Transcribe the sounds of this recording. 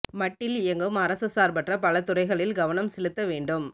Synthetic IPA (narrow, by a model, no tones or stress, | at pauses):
mɐʈːɪlɪjɐŋɡɯmɐɾɐsɯsaːɾpɐʈrɐpɐlɐt̪ːʊɾɐɪɣɐɭɪlɡɐʋɐnɐmsɛɭɯt̪ːɐʋeːɳɖɯm